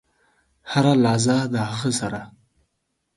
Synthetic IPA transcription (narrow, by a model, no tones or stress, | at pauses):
haɾalɑzad̪əhaɣəsaɾa